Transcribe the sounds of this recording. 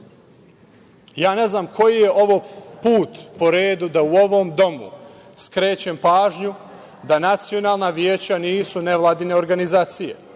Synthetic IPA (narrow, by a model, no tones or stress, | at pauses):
jaːne̞znaːmkʰo̞jije̞ʔo̞ʋopuːt̪po̞ɾeːd̪ud̪auo̞ʋo̞md̪o̞mṵ | skɾe̞ːt͡ɕempaːʒɲu | d̪anat̪sijo̞naːlˠnaʋjeːt͡ɕaniːsune̞ʋlˠaːd̪ine̞o̞ɾɡanizaːt̪sije̞̰